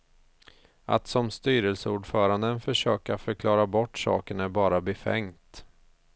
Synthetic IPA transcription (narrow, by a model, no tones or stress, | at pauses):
a̰t̪sɔmst̪yːɾəlsəuːɖfœːɾand̪ənfœʂøːkafœɾkʰlɑːɾabɔʈːsɑ̰ːkəɳæɾbɑːɾabɛfɛ̰ŋt̪